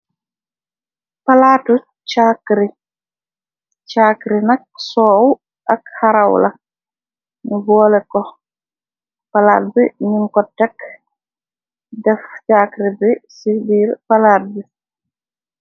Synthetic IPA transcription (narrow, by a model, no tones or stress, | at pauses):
palaːtu | t͡ʃaːkɾi | t͡ʃaːkɾinɐk̚sɔːw | ʔɐkhaɾawlɐ̰ | nubɔːlɛkɔ | pala̰ːt̚biɲiŋkɔtːɛk | dɛft͡ʃaːkɾibisibiːɾpalaːt̚bi